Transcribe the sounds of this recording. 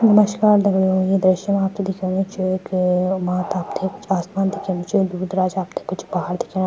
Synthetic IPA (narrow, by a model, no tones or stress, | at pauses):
nɐməʃkaːɾd̪ɐɡɽõjed̪ɾɐʃənaːpt̪ʰed̪ɪkʰẽːnet͡ʃʰuekmaːt̪aːpt̪ʰekʊt͡ʃʰaːsmaːnd̪ɪkʰẽːnet͡ʃʰud̪uːɾd̪ɾaːd͡ʒaːpt̪ʰe̥kʊt͡ʃʰbaɦaɾd̪ɪkʰen